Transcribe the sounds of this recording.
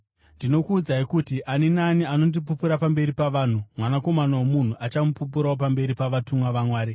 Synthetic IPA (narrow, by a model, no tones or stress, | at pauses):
ndino̞kuːd͡zaikutiʔaninaniano̞ndip̬upuɾapambe̞ɾipaʋaːn̤umwanako̞manawomun̤uʔat͡ʃamupup̬uɾaop̬ambe̞ɾipaʋatumwaʋamwaːɾe